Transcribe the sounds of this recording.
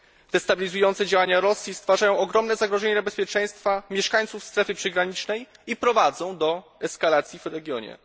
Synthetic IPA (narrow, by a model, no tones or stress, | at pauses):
t̪ɛst̪abʲilʲizujɔnt̪sɛd͡ʑawaɲaɾɔsʲjist̪faʐajɔ̃w̃ɔɡɾɔmnɛzaɡɾɔʐɛɲɛabɛspʲjɛt͡ʂɛj̃st̪famʲjɛʂkaɲt̪sufst̪ɾɛfɘpʂɛɡɾaɲit͡ʂnɛjipɾɔvad̪zɔ̃w̃d̪ɔɛskalat̪sʲjivɾɛɡʲjɔɲɛ̰